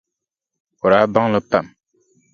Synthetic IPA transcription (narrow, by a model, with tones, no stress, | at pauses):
o˨ɾa˨˦ba˦ŋlə˨pa˨m